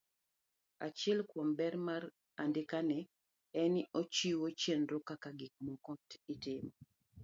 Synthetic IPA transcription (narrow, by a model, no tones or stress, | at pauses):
a̰t͡ʃɛlkwɔmbɛɾmaɾ | andɪkanɛ | ɛniʔot͡ʃiwot͡ʃjenɾɔkakaɡɪk̚mɔkɔtitɪmɔ